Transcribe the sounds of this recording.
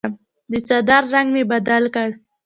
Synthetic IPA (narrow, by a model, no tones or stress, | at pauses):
m | d̪ət͡ʃad̪aɾːaŋɡmebad̪alkəɽ